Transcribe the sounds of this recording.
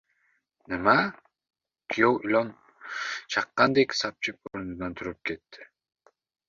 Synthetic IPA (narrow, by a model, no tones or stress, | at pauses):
nɨma | kʰijowilʲon | t͡ʃʰɑqːɑnd̪eksɑp̚t͡ʃʰɪp̚o̰ɾununɑnt̪ʰuɾup̚kʰet̪ːɪ̥